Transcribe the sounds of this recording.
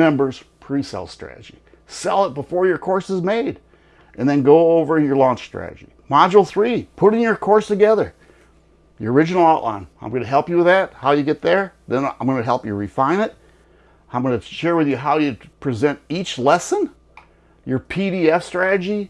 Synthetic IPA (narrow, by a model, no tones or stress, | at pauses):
ɛ̃mbə˞z̥pʰɹ̥isɛ̰lˠstɹ̥æ̰ɾɨ̰d͡ʒḭ | sɛlˠət̚b̥əfɔɹjə˞kʰɔɹsəzmeɪɾ | ʔɨ̃nðɨ̃nɡoʊoʊvə˞jə˞lɔ̃nt͡ʃstɹ̥æ̰ɾɨ̰d͡ʒḭmɑd͡ʒl̩ˠθɹipʰʊɾɪ̃ŋjə˞kʰɔɹstʰɨɡɛðə˞ | jə̰˞ə˞ɪd͡ʒɨnl̩ˠaʊʔlã̰ɪ̃nãɪ̃mɡʌnɨɦɛlˠpjɨwɨðæt̚haʊjɨɡɛt̪̚ðə˞ðɨ̃nã̰ɪ̃mɡʌ̃nɨɦɛlˠpjə̰˞ɹifãɪ̃ñɨt̚ | ãɪ̃mɡʌ̃nɨʃɛɹwɨðjɨɦaʊjɨpʰɹ̥izɛ̃ntit͡ʃlɛsɨ̃n | jə˞pʰiɾiɛfstɹ̥æɾɨd͡ʒi